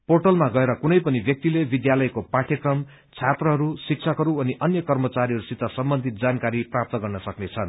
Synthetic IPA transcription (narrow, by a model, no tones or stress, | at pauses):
porʈʌlmaɡʌeɾʌkunʌjpʌnibjʌk̚t̪ilebid̪jalʌjkopaʈʰjekrʌm | t͡sʰat̪rʌɦʌɾusik̚t͡sʰʌkɦʌɾuʌniʔʌnjʌkʌrmʌt͡saɾiɦʌɾusit̪ːʌsʌmbʌnd̪ʱit̪̚d͡zankaɾiprap̚t̪ʌɡʌrnʌsʌknet͡sʰʌn